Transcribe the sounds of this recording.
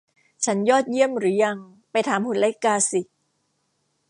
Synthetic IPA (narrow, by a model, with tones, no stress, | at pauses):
t͡ɕʰa˦˥njɔː˥˩t̪̚ji˥˩əmɾɯː˩˦ja˧ŋ | pa˧jt̪ʰaː˩˦mpʰu˨˩nla˦˥kaː˧si˨˩